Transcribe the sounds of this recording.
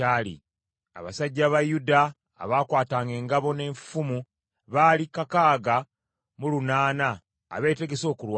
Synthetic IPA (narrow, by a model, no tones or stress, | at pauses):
aːlḭ | a̰βa̰saɟːaβajuda̰ː | βaːkwaːtaːŋɡe̞ːŋɡaβo̞ne̞ːɱfumu | βaːlikakaːɡa | mulunaːna̰ː | βe̞ːte̞ɡe̞so̞ːkulwa